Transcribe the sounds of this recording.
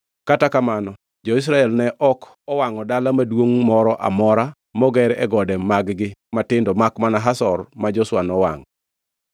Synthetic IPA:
katakamanɔ | d͡ʒɔɪs̬ɾaɛlnɛʔɔk | ɔwaŋɔdalamadwoŋmɔɾɔʔa̰mɔɾa | mɔɡɛɾɛ̰ɡɔdɛmaɡɡɪmatɪndɔmakmanaɦasɔrmad͡ʒɔswanɔwa̰ŋ

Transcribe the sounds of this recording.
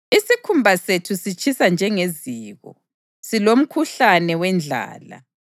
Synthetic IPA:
isikʰumbʱasetʰusit͡ʃʰisand͡ʒʱɛŋeziːɣɔ̰ | silom̩kʰuɬanɛwɛnd͡ɮʱa̰ːla̰

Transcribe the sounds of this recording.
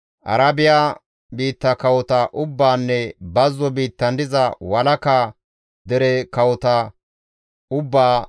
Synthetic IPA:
ʔɐ̰ɾɐbɪja | biːt̪ːɐkɐwɔt̪ɐʔʊbːaːnːɛbɐzːɔbiːt̪ːɐnd̪ɪzɐwɐlɐka | d̪ɛɾɛkɐwɔt̪ɐ | ʊbːaː

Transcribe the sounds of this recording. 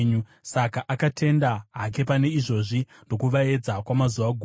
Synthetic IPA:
ɲu | sakaʔakatʰe̞ndaɦak̬e̞pane̞iʐo̞ʐi | ndo̞kuʋae̞d͡zakwamazuʋaɡʱuː

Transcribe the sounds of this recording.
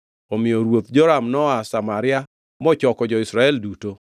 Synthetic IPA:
omɪjoɾwot̪d͡ʒɔɾamnɔasamaɾɪa | mɔt͡ʃɔkɔd͡ʒɔɪsɾaɛlduto

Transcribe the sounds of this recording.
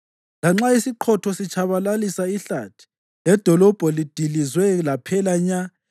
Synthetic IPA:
laŋ͡ǁaisiǃʰɔtʰɔsit͡ʃʰaβalalisaiɬa̰tʰi̥ | lɛd̥ʱɔlɔb̥ʱɔlid̥ʱilizwɛlapʰɛlaɲa

